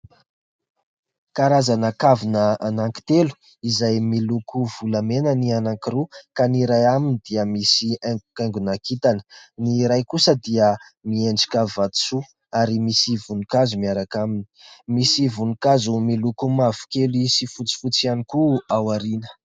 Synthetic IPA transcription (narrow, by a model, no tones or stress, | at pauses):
kaɾazanəkavinəanaŋki̥t̪elu̥ | izajmilukʰuv̥ulamenənianaŋkiɾukaniɾajaminid̪iəmisiaŋɡukaŋɡunakit̪anə̥niɾajkusəd̪iəmieɳɖ͡ʐi̥kavat̪u̥su | aɾimisivunukazumiaɾakaminimisivunukazumilukumavu̥keluisifut͡si̥fut͡sianikuawaɾinə̥